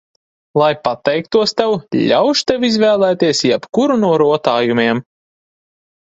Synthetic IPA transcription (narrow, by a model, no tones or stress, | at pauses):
lˠajpat̪ɛjk̚t̪uɔst̪ɛwʎʲawʃt̪ɛwizvæːlˠæːt̪iɛsjɛpkuɾunuɔɾuɔt̪aːjumʲiɛm